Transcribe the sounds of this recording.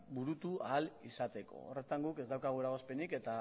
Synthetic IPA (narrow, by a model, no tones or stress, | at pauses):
buɾut̪uaːlisat̪e̞ko̞̰ore̞t̪aŋɡuke̞zd̪awkaɣ̞ueɾaɣ̞o̞spe̞nike̞t̪a